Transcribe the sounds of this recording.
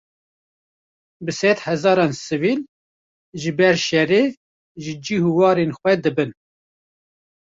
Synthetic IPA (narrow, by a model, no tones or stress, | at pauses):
bɨsɛd̪hɛzɑːɾɑːnsɨvil | ʒɨbɛɾʃɛreː | ʒɨd͡ʒihuwɑːɾenxʷwɛd̪ɨbɨn